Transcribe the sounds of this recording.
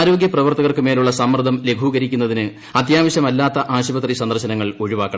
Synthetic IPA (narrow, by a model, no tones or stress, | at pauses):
ɾo̞ːɡjɐprɐʋɐrt̪ɐɣɐrkɨme̞ːluɭːɐsɐmrɨd̪ʱɐmle̞ɡʱuːɣɐɾikʲːunːɐðinɨ | ɐt̪jaːʋɐɕɐmɐlːaːt̪ːɐʔaːɕibɐt̪risɐnd̪ɐrɕɐnɐŋːɐɭo̞ɻuʋaːkːɐɳɐ